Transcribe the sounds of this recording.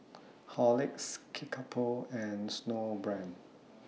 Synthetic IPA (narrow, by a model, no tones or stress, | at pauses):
hɔlɪkskʰikʰapʰəɛ̃nsnobɹɛ̃n